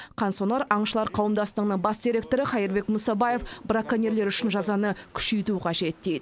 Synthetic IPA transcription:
qʰɑnsonɑɾɑɴʃəlˠɑɾqʰɑwəmd̪ɑst̪əqnəɴbɑsd̪ʲiɾʲe̞k̚t̪o̞ɾəχɑjəɾbe̞kmʊsɑbaje̞fbɾakːanʲeɾle̞ɾʏʃɪnʒɑzɑnəkʲʰʏ̥ʃe̞jt̪uqʰɑʒe̞t̪ːejd̪ɪ

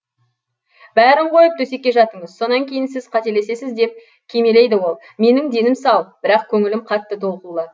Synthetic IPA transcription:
bæɾɪɴqʰo̞jəp̚t̪ʰɵse̞kʲːe̞ʒɑt̪əɴəzso̞nɑŋkʲʰe̞jɪnsɪzqʰɑt̪e̞lesesɪzd̪e̞p̚ | kʲʰe̞me̞le̞jd̪ɪwo̞lˠ | me̞nɪŋd̪e̞nɪmsɑwb̥ɪɾɑqkʲʰɵŋɪlɪmqʰɑt̪ːət̪ʰo̞lˠqəlˠd̪ə

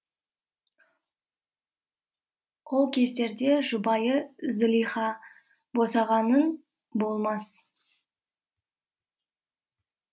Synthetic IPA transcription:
qʰolˠkʲʰe̞st̪e̞ɾd̪e̞ʒʊbɑjəzɪlʲijχɑ | bo̞sɑʁɑnən | bo̞lˠmɑs

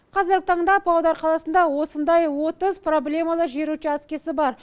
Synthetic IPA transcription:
qʰɑzɪɾɡʲɪt̪ʰɑɴd̪ɑpʰɑwd̪ɑɾqʰɑlˠɑsənd̪ɑwo̞sənd̪ɑjwo̞t̪əzpro̞blʲe̞mɑlˠəʒe̞ɾuʃɪæskʲe̞sɪbɑɾ

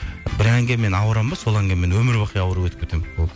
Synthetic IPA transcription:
bɪɾæŋɡʲemme̞nɑwəɾɑmbɑso̞lˠæŋɡʲemːe̞nwɵmɪɾwɑqʰijɑwəɾəpwɵt̪ɪp̚kʰet̪emwolˠ

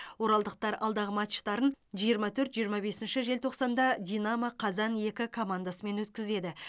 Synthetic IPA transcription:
wo̞ɾɑlˠd̪əq̚t̪ɑɾɑ̰lˠd̪ɑʁəmɑt̪ʃt̪ɑɾənʒijəɾmɑt̪ʰɵɾt̪ʒijəɾmɑbe̞sɪnʃɪʒe̞lt̪ʰo̞qsɑnd̪ɑd̪ʲijnaməqʰɑzɑnje̞kʲɪkʰo̞mand̪asəme̞nwɵt̪̚kʲɪze̞d̪ɪ

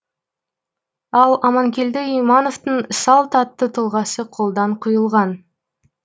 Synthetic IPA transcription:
ɑlˠɑmɑŋkʲe̞ld̪ɪijmano̞vt̪əɴsɑlˠt̪ʰɑt̪ːət̪ʰəlˠʁɑsəqʰo̞lˠd̪ɑɴqʰʊjəlˠʁɑn

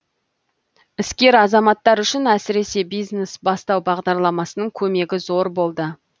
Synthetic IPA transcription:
ɪskʲe̞ɾɑzɑmɑt̪ːɑɾʏʃɪnæsɪɾe̞se̞bijzne̞sbɑst̪ɑwbɑʁd̪ɑɾlˠɑmɑsənəɴkʲʰɵme̞ɡʲɪzo̞ɾbo̞lˠd̪ə

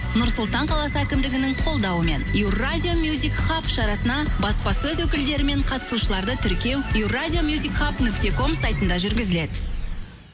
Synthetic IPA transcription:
nʊɾsʊlˠt̪ɑɴqʰɑlˠɑsəækʲɪmd̪ɪɡʲɪnɪɴqʰo̞lˠd̪ɑwəme̞njɪwrazʲijo̞mjuzʲikχapʃɑɾɑsənɑbɑspɑsəɵzwɵkʲɪld̪e̞ɾɪme̞ɴqʰɑt̪ə̥suʃəlˠɑɾd̪ət̪ʰʏɾkʲe̞wiuwradʲijo̞mjuzʲikχapnʏkt̪e̞ko̞msajt̪ənd̪ɑʒʏɾɡʲɪzɪle̞d̪ɪ

